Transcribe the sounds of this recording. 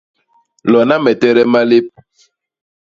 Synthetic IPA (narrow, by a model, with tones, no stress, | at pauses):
lɔ˨na˦mɛ˨tɛ˦ɾɛ˦ma˦le˦p̚